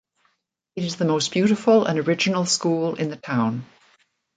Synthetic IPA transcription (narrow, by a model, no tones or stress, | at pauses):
ɨɾɨzðəmoʊsb̥jʉɾɪfəlˠə̰̃nəɹɪd͡ʒɨnl̩ˠskuːlˠɪ̃nðɨtʰãʊ̃n